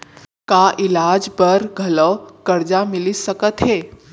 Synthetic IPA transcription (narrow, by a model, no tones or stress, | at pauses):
kaʔɪlaːd͡ʒbəɾɡʱɐləwkɐɾd͡ʒamɪlisəkət̪ɦeː